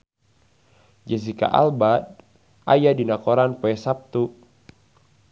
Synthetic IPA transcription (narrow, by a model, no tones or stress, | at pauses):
d͡ʒɛsika̰ʔa̰lbad̪̚ | ʔa̰jadinakɔɾanpɔɛsap̚t̪u